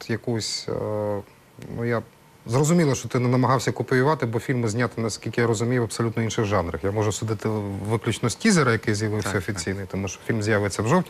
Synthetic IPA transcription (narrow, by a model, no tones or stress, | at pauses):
t̪jɐkɔsʲ | nuja | zrɔzʊmʲilˠɐʃt͡ʃɔt̪ɪnɛnɐmɐɦɑwsʲɐkʊpʊjʊʋɑt̪ɪbɔfʲilʲmɪzʲnʲat̪ɪnɐsʲkʲilʲkɪjaɾɔzʊmʲijʊɐpsɔlʲut̪nɔinʃɪɣʒɑnɾɐxjamɔʒʊsʊd̪ɪt̪ɪʋɪklʲut͡ʃnɔsʲtʲizɛɾɐjɐkɪjzʲjɐʋɪwsʲɐɔfʲit͡sʲijnɪjt̪ɔmuʃt͡ʃɔ̥fʲilʲmzʲjaʋɪt͡sʲːɐwʒɔwtʲ